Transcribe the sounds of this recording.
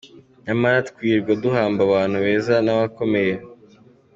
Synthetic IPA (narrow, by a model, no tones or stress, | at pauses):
ɲamaɾatkwiːɾɡwaduhaːmbaβaːn̥huβe̞ːzanaβako̞me̞je